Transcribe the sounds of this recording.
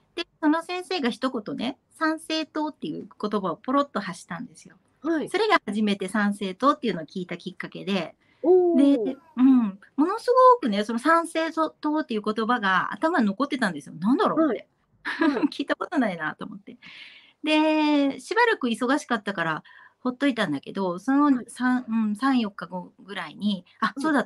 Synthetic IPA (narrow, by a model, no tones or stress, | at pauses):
d̪̥e̞so̞no̞sẽ̞ɰ̃se̞ːɡaçi̥t̪o̞ko̞t̪o̞ne̞ | sãɰ̃se̞ːt̪o̞ːt̪ːe̞jɯ̟ːko̞t̪o̞baopo̞ɾo̞t̪ːo̞haɕi̥t̪ãnd̪e̞sɨjo̞ | aiso̞ɾe̞ɡahaʑime̞t̪e̞sãɰ̃se̞ːt̪o̞ːt̪ːe̞iɯ̟nookʲiːt̪akʲikːake̞d̪e̞ | d̪e̞ | ɯ̟̃ɴ | mo̞no̞sɨɡo̞kɯ̟ne̞so̞no̞sãɰ̃se̞ːsot̪o̞ːt̪ːe̞jɯ̟ko̞t̪o̞baɡaa̰t̪amano̞ko̞t̪ːe̞t̪ãnd̪e̞sɨjonãnd̪aɾo̞ːt̪ːe | kʲiːt̪ako̞t̪onainat̪o̞ːmo̞t̪ːe̞ | d̪e̞ɕibaɾakɯ̟iso̞ɡaɕi̥kat̪ːakaɾaho̞t̪ːo̞it̪ãnd̪ake̞d̪o̞sonjoɲisãɯ̟̃ɴsãɰ̃jo̞kːaɡo̞ɡɯ̟ɾaiɲ̟i | asoːd̪at̪